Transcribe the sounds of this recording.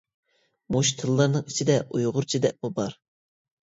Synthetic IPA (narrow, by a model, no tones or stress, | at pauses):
muʃt̪ʰɨlˠːɑɾnɨŋit͡ʃʰid̪ɛʔujʁʊɾt͡ʃʰid̪ɛʔbubɑɾ